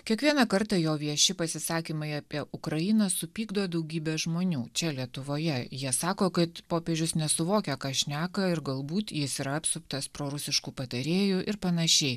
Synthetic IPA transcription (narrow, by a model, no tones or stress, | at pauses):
kʲiɛkʋʲiɛnɐkɐɾt̪ɐjoːʋʲiɛʃʲɪpɐsʲɪsɑːkʲiːmɐɪɐpʲiɛʔʊkɾɐjɪnɐsʊpʲiːɡd̪oːd̪ɐʊɡʲiːbʲɛːʒmoːnʲuːt͡ʃʲɛlʲiɛt̪ʊʋoːjɛjiɛsɑːkoːkɐt̪poːpʲeːʒʲʊsnʲɛsʊʋoːkʲɛkɑːʃʲnʲæːkɐɪɾɡɐlˠbuːt̪jɪsiːɾɐɐpʲsʊp̚t̪ɐspɾoːɾʊsʲɪʃkuːpɐt̪ɐɾʲeːjuʔɪɾpɐnɐʃʲɛɪ